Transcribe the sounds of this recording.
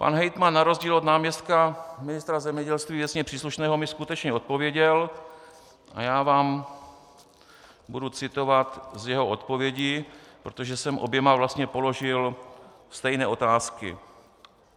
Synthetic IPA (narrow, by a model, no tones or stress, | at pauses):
pa̰nɦɛjt̪manːaɾo̞zɟiːlod̪naːmɲɛst̪kamɪnɪst̪ɾazɛmɲɛɟɛlst̪viːvjɛt͡sɲɛpr̝̥iːsluʃnɛːɦo̞mɪskut̪ɛt͡ʃɲɛo̞t̪̚po̞vjɛɟɛl | ʔa̰jaːvaːm | budut͡sɪt̪o̞vat̪zjɛɦoʔot̪po̞vjɛɟiːpɾot̪o̞ʒɛsɛmʔo̰bjɛmavlast̪ɲɛpo̞loʒɪlst̪ɛjnɛːʔo̞t̪aːskɪ̰